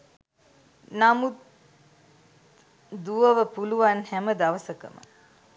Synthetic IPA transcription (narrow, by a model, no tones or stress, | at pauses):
namut̪ | d̪uʋəʋəpuluʋanhæməd̪aʋəsəkə̰mə̰